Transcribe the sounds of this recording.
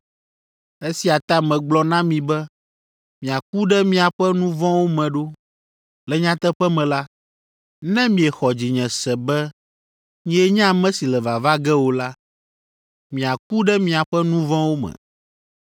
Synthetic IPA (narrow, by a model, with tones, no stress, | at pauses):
e˦si˨a˨t̪a˦mɛ̃˨ɡ͡blɔ˦nã˦mĩ˨bɛ˦ | mĩ˨a˨k̚u˦ɖɛ˦mĩ˦a˨ɸɛ˦nũ˦vɔ̃˦wo˦mɛ̃˨ɖo˦ | lɛ˨ɲã˦t̪ɛ˦ɸɛ˦mɛ̃˨la˦ | nɛ̃˦mĩ˨ɛ˨xɔ˨d͡ʑi˨ɲɛ̃˨sɛ˨bɛ˦ | ɲĩ˦ɛ˦ɲã˦˨mɛ̃˦si˨lɛ˨va˨va˦ɡɛ˦wo˨la˦ | mĩ˨a˨k̚u˦ɖɛ˦mĩ˨a˨ɸɛ˦nũ˦vɔ̃˦wo˦mɛ̰̃˨